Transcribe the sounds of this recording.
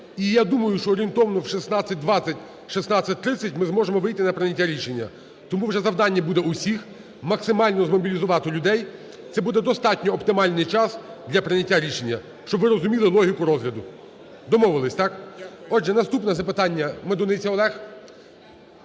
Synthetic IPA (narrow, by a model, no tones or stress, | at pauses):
ijad̪umɐjʊʃt͡ʃɔːɾʲint̪ɔʋɐnɔwʃisnɑt͡sʲːɐt̚ʲd̪ʋɑt͡sʲːɐtʲ | ʃisnɑt͡sʲsʲɐt̚ʲt̪ɾɪt͡sʲːɐtʲmɪzmɔʒemɔʋɪjt̪ɪnɐpɾenʲɐtʲːaɾʲiʃe̞nʲːɐ̰ | t̪ɔmuwʐɛzɐwd̪ɑnʲːɐbud̪ɛusʲix | mɐksɪmɑlʲnɔzmɔbʲilʲizʊʋɑt̪ɪlʲʊd̪ɛj | t̪sɛbud̪ɛd̪ɔst̪ɑtʲnʲɔːpt̪ɪmɑlʲnɪjt͡ʃɑsd̪lʲɐpɾɪnʲɐtʲːaɾʲiʃe̞nʲːɐ | ʃt͡ʃɔbʋɪɾɔzʊmʲilˠɪlˠɔɦʲikʊɾɔzɦlʲɐd̪ʊ | d̪ɔmɔʋɪlˠɪsʲt̪ɑkɔd͡ʒɛnɐst̪upnɛzɐpɪt̪ɑnʲːɐmed̪ɔnɪt͡sʲɐɔlˠɛx